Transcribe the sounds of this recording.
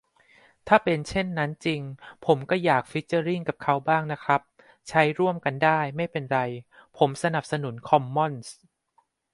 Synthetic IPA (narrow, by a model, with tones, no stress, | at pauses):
t̪ʰaː˥˩pe˧nt͡ɕʰe˥˩nːa˦˥nt͡ɕi˧ŋpʰo˩˦mkɔː˥˩jaː˨˩k̚fi˦˥t͡ɕːaː˧ɾi˥˩ŋka˨˩p̚kʰa˦˥wbaː˥˩ŋna˦˥kʰɾa˦˥p̚ | t͡ɕʰa˦˥jɾu˥˩əmka˧ndaː˥˩jma˥˩jpe˧nɾa˧jpʰo˩˦msa˧na˨˩p̚sa˧nu˩˦nkʰɔ˧mːɔ˥˩ns